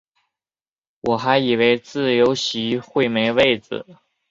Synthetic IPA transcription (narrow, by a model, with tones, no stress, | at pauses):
wʔɔ˨˩xa˧˥ɪi˨˩we˥ɪt͡sɹ̩˥˩jo˧˥ʊɕi˧˥xwe˥˩ɪme˧˥ɪwe˥˩ɪt͡sɹ̩̰˩˦